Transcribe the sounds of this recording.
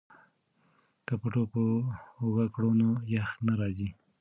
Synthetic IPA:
kapəʈopəːɣakɽonojaxnaɾɑzi

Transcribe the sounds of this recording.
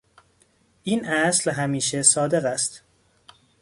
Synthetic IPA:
ʔiːnʔæslɦæmiːʃesɒːd̪e̞ɣæst̪

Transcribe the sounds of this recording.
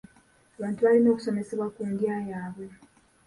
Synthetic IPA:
aβaːntuβalino̞ːku̥so̞me̞se̞βwakunɡjaːjaːβwe̞

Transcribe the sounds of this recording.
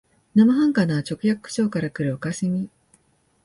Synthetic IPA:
namaɦãŋkanaːt͡ɕo̞kɯ̟jakɯkːɯ̟̥ɕo̞ːkaɾakɯ̟ɾɯ̟okaɕimʲi

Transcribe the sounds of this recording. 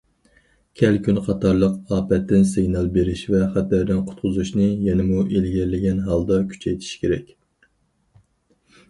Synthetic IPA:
kʲʰɛlkʲʰynqʰɑt̪ʰɑɾlˠəqɑːpɛt̪ːɪnseɡnɑlˠbeɾɪʃvɛχæt̪æɾd̪ɪnqʰʊ̥t̪̚qʰʊzuʃnɨjɛnɪmuʔelɡʲɛɾlɪɡʲɛnɦɑlˠd̪ɑkʲʰy̥t͡ʃʰɛjt̪ʰi̥ʃkʲeɾɛkʲ

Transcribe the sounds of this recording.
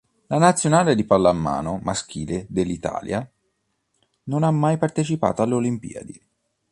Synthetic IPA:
lanat̪sːjonaːled̪ipalːamːa̰ːnomask̟iːled̪elːit̪a̰ːlja | nonamːajpart̪et͡ʃipa̰ːt̪oaleolimpḭːa̰d̪i

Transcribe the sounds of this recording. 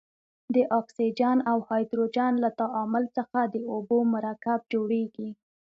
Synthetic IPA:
d̪əʔɑksid͡ʒɑnawhɑjd̪ɾod͡ʒanlat̪aʔɑmʊlt͡səxad̪əobomʊɾakab̚d͡ʒoɽeɡi

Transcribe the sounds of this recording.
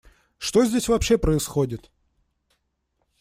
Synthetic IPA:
ʂt̪o̞zʲdʲesʲvɐpɕːe̞pɾəɪsxodʲɪt̪

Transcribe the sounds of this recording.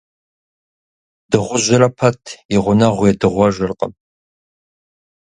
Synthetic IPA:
d̥ɨʁʷʊʑɪrɐpʰɐtʰɪʁʷʊnɐʁʷjɛdɨʁʷɔʒɨrqə̰m

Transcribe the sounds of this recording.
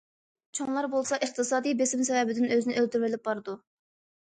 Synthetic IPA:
t͡ʃʰoŋlˠɑɾbolˠsɑʔəχt̪ʰɨsɑːd̪ijbesɪmsɛvɛbɪd̪ɪnøzɪnɪølt̪yɾvɪlɪp̚bɑɾɨd̪u

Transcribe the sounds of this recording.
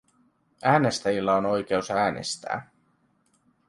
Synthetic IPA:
æːne̞st̪æjilːæono̞jk̟e̞usæːnḛst̪æ̰ː

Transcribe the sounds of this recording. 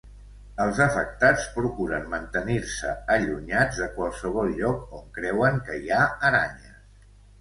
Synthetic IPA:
əlˠzəfək̚t̪at͡spɾukuɾənmənt̪əniɾsəəʎuɲad͡zðəkwəlˠsəβ̞ɔlˠʎɔkoŋkɾɛwəŋkəiaəɾaɲə

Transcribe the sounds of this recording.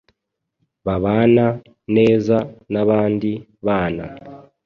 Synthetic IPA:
βaβaːna | ne̞ːzanaβaːndi | βaːna̰

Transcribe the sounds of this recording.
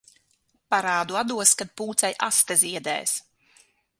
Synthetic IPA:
paɾaːd̪uad̪uɔskad̪̚puːt̪sɛjʔast̪aziɛd̪ɛ̰ːs

